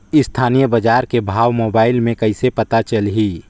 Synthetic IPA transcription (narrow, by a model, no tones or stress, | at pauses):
ɪst̪ʰaːnijəbəd͡ʒaːɾkebʱaːʋmoːbaːɪlmẽkɐɪsepɐt̪at͡ʃəlɦiː